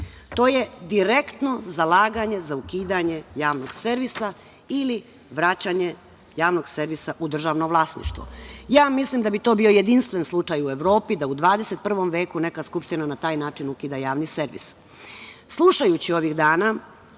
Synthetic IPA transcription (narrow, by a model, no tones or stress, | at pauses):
t̪o̞ːje̞d̪iɾekt̪no̞zalˠaːɡaɲe̞zaukiːd̪aɲe̞jaːʋnoɡ̥seɾʋisa | ili | ʋɾat͡ɕaɲe̞ | jaːʋno̞ɡse̞ɾʋisaʔud̪r̩ʒaʋnoʋlˠaːsnḭʃt̪ʋo̰jaːmislimd̪abit̪o̞ːbio̞je̞d̪inst̪ʋe̞nslˠut͡ʃajueʋɾo̞ːpid̪aud̪ʋaːd̪e̞set̪̚pr̩ʋo̞mʋe̞ːkune̞kaskupʃt̪inanat̪aːjnaːt͡ʃinukiːd̪ajaːʋnise̞ɾʋḭs | slˠuʃajut͡ɕio̞ʋiɣd̪aːna